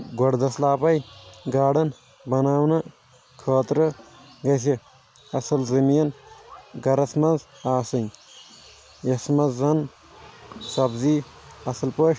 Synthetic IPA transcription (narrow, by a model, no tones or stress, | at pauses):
ɡɐɽd̪ɐslaːpɐjɡaːɽɐn | bɐnaːwnɐ | kʰoːt̪ɾɨɡɐsi | ɐsɐlzɐmiːnɡɐɾɐsmɐnzaːsɨnʲ | jɐsmɐzːɐn | sɐbziː | ɐsɐlpoʃ